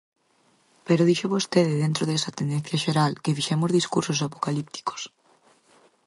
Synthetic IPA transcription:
peɾoðiʃoβost̪eðɪðẽnt̪ɾoðɛsat̪end̪en̟θjaʃeɾalkefiʃemozðiskuɾsos̬apo̥kalip̚t̪i̥ko̥s

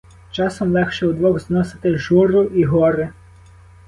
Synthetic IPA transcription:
t͡ʃɑsɔmlˠɛxʃɛwd̪ʋɔɣznɔsɪ̥t̪ɪʒuɾʊʔiɦɔɾɪ

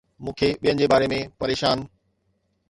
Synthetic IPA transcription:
mũːkʰeɓijɦənɪ̆d͡ʑeːbaːɾemẽpɐɾeːʃaːn

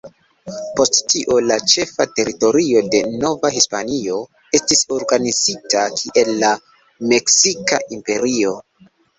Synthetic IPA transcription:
po̞sttiʔo̞lat͡ʃe̞fate̞ɾito̞ɾio̞de̞no̞vahispanio̞ | e̞stiso̞ɾɡanizitakʰiʔe̞lːa | me̞ksika̰ʔimpe̞ɾio̞

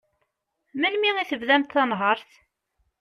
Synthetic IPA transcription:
məlmiʁiθəvðæmt̪θɑnɦəɾˤθ

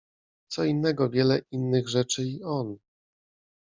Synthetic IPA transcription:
t̪sɔinːɛɡɔvʲjɛlɛinːɘɣʐɛt͡ʂɘiɔn

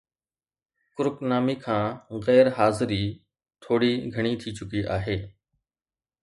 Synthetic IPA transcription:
kʊɾʊknaːmiːkʰãːɣɛːɾɦaːzɪɾiː | t̪ʰoːɽiːɡʱəɳ̃iːt̪ʰiːt͡ʃʊkiːʔaːɦeː

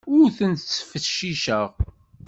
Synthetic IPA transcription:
ʊɾθənt̪t͡sːə̥fəʃiʃəʁ

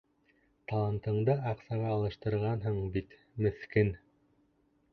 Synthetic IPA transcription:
t̪ɑlˠɑnt̪ɤ̆ɴd̪ɤɑqsɑʁɑːlˠɤ̆ʃt̪ɤ̆ɾʁɑnɦɤɴbit̪ | mɘ̆θkɘn

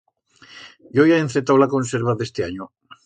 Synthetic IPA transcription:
jojaenθet̪awlakonseɾβaðe̞st̪eaɲo

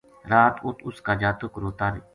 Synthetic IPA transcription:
ɾaːt̪ʊt̪ʊskaːd͡ʒaːt̪ʊkɾoːt̪aːɾeː

